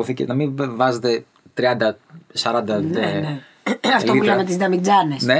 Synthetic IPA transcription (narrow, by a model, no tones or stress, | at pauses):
oθicḛnɐmivɐzet̪e | t̪ɾiɐnd̪ɐsɐɾɐnd̪ɐne | ɐftloiulɐmet̪izd̪ɐmid͡zɐnesne